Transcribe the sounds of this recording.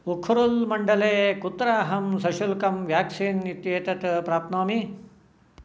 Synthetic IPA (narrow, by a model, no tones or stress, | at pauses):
ukʰuɾulmɐɳɖɐleːkut̪ːɾaːɦɐmsɐʃulkɐmʋjaːksiːnːit̪jeːt̪ɐt̪pɾaːp̚t̪naːmi